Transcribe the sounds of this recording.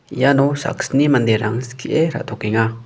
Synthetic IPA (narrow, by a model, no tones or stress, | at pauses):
ijanɔsa̰ksnimand̪eɾaŋskʰiʔeɾa̰ʔt̪ʰokiŋa